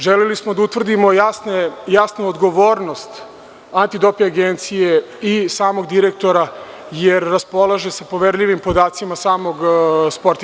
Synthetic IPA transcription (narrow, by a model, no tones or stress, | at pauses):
ʒelelismo̞d̪aut̪ʋr̩d̪imojasnejasnuod̪ɡo̞ʋoːɾno̞st̪ | ant̪id̪o̞piaɡent̪sije̞ | isaːmo̞ɡd̪iɾek̚t̪o̞ɾa | jeɾːaspo̞lˠaʒe̞sapo̞ʋeɾʎʲiʋimpo̞d̪aːt̪simasaːmo̞ɡspoɾt̪